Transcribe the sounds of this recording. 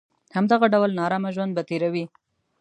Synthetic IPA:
hamd̪aɣaɖawlnɑɾɑmaʒwand̪bat̪eɾawi

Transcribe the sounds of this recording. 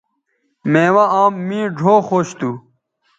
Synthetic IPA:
mẽːwaaːmːĩːɖʱoːxoːɕt̪u

